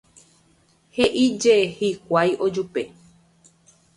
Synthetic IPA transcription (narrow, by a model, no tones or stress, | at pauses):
heʔid͡ʒehikʷajʔod͡ʒupe